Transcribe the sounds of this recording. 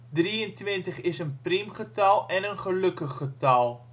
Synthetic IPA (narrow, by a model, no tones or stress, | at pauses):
driəntwɪntəχɪsənprimχətɐlˠɛnənχələkəχːətɐlˠ